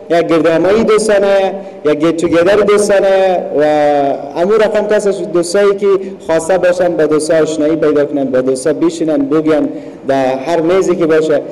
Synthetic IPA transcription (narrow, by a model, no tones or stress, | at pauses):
jak̚ɡɪɾd̪amaid̪ost̪ɔnaja | jak̚ɡetuɡed̪aɾid̪ost̪ɔnajawaː | muɾaqamk̪asaʃd̪ost̪ɔekixɔst̪abɔʃanbad̪ost̪ɔːʃnɔipajd̪ɔkʊnanbad̪ost̪ɔbɪʃinanbʊɡjan | d̪aɦaɾmezikɪbɔʃa